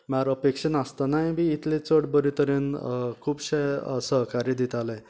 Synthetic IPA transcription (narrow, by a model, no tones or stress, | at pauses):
maɾəpekɕənast̪anajbʱiːt̪ʰlet͡səɽbəɾit̪əɾenkʰuːbɕeəsəɦkaɾid̪it̪alẽ